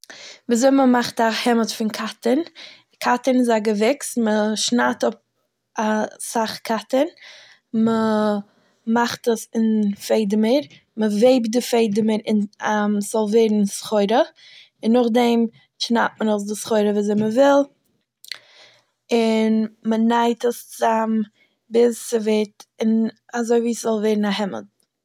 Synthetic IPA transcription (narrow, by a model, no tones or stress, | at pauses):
viːzoɪməmaχtahɛmətfɪnkʰatən | kʰatənɪzaɡəvɛksməʃnaːtʊp̚ | asaχkʰatən | mə | maχtəsɪnfeɪdəməɾ | məveɪbdɪfeɪdəməɾɪnamsz̥ɔlˠveːɾn̩sχɔɪɾə | ɪnːʊχdɛm | ʃna̰ptmənoʊs̬dɪsχɔɪɾəviːzɛɪməvɪlˠ | ɪnmənaɪtəst͡szam | bɪst͡sɪvetɪnazoɪviːszɔlˠveːɾn̩aɦɪmə̰d